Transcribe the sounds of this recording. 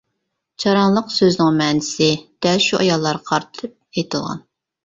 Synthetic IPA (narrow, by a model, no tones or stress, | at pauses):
t͡ʃʰɑɾɑnlˠəqsøznɪŋmɛːnɪsɪd̪̥ɛlʃuʔɑjɑlˠːɑɾqʰɑɾt̪tʰɨp̚ejt̪ʰɨlˠʁɑ̰n